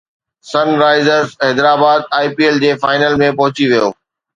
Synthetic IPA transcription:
sɐnɾaːɪzəɾzɛːd̪ɾaːbaːd̪̚aːɪpield͡ʑeːfaːɪnəlmẽpɐɦʊt͡ɕiʋijoː

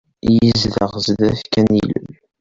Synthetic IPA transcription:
jizðə̰ʁzd̪æfkænilə̰l

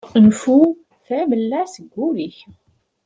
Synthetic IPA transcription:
ənfu | θæməlːasəɡʷːuɾiç

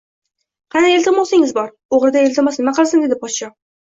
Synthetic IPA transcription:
qʰɑnaelʲt̪ɪmɒlˠsɪŋɪzbɒɾ | oʁɾɪd̪aelʲt̪ɪmɒsnɪmaqʰɨlˠsɪnd̪ed̪ɪpɒsʃɒ

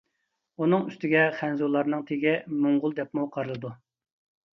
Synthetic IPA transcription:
unɨŋyst̪ɪɡʲɛχɛnzulˠɑɾnɨŋt̪ʰeɡʲɪmoŋʁʊlˠd̪ɛpmuqʰɑɾɨlˠɨd̪u

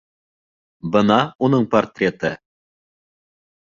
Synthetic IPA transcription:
bɤnɑunɤɴport̪ʲrʲet̪ə

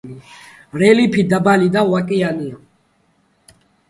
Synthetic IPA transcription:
i | ɾɛlipʰid̪abalid̪awakʼiania

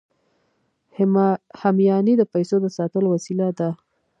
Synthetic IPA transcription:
hamjɑnid̪əpajsod̪əsɑt̪əlowasilad̪a

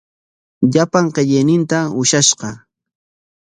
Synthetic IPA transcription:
ʎapaɴqeʎɪjnɪnt̪aʊʃaʃqɑ

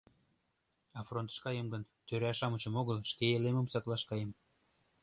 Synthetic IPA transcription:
ɑfront̪ə̥̆ʃkɑjəmɡən | t̪øɾæʃɑmət͡ɕə̆moɣəlʃkeelemə̆msɑklɑʃkɑjəm

